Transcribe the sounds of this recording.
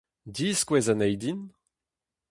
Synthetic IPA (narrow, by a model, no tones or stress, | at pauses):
diːskwɛzanɛjdin